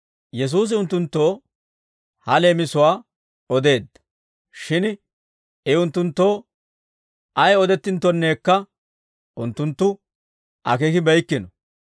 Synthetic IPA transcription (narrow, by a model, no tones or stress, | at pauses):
jɛs̬uːs̬ɪʊnt̪ːʊnt̪ːo̞ː | hɐle̞ːmɪsʊwaː | ɔd̪e̞ːd̪ːɐ̥ | ʃɪn | ɪʊnt̪ːʊnt̪ːo̞ː | ʔɐjɔd̪ɛt̪ːɪnt̪ːɔnːe̞ːkːɐ | ʔʊnt̪ːʊnt̪ːʊ | ʔɐ̰kekɪbɛjkːɪnɔ